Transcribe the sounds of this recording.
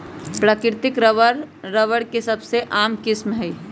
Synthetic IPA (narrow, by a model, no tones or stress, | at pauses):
pɾaːkɪɾt̪ɪkɾəəɾː | əʋəɽkesɐbseʔaːmkɪsmɦɛi